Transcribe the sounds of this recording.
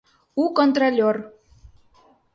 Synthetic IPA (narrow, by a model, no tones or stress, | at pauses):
ukont̪rolʲor